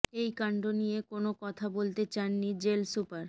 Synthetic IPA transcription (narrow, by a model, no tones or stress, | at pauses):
ejkaɳɖonijekonokɔt̪ʰabolt̪et͡ɕanːid͡ʑelsupaɾ